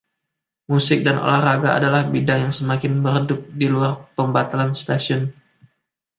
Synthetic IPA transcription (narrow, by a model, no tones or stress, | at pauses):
musɪk̚danʔo̰laraɡaa̰dalahbidaŋjaŋsəmakɪnbəɾədʊk̚diluarpəmbat̪alanst̪asiʊn